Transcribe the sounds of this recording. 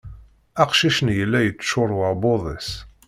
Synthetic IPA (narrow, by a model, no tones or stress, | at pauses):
æqʃiʃənjəlːæjət͡sːʃʊɾˤwəɾboðˤis